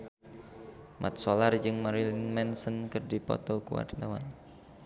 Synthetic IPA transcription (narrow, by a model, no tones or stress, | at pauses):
mʔa̰t̪̚solard͡ʒɨŋmaɾilinmɛnsənkɨrdipɔ̰t̪ɔkuwa̰rt̪awan